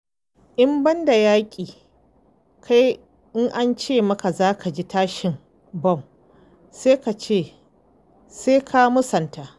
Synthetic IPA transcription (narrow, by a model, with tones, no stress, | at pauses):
ʔɪ˦mbɐ˦nda˨jaː˦kʲʼiː˨ | kʰa˦j | ʔɪ˦ŋʔa˦nt͡ʃeː˦˨mɐ˦ka˨zaː˦kʰa˨d͡ʒi˦taː˦ʃɪ˨m | bɔ˦˨m | seː˦ka˨t͡ʃeː˦˨ | seː˦kʰa˦mʊ˦sɐ˨nta˨ʔ